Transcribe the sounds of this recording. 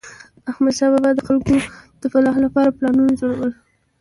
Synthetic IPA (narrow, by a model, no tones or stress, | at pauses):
axmad̪ʃababad̪əxalkod̪̥əfalɑhlapɑɾaplɑnunad͡ʒoɽawəl